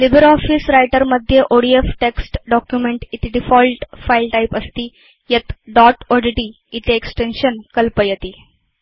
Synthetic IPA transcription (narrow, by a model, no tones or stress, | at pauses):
libɾaɔfisɾajʈəɾməd̪ʱːjeʔoɽiefʈeksʈɖɔkjumeɳʈit̪iɖifɔlʈfailʈaipəst̪iː | jet̪ɖɔʈoɖiʈi | it̪eeksʈenɕənkəlpəjət̪iː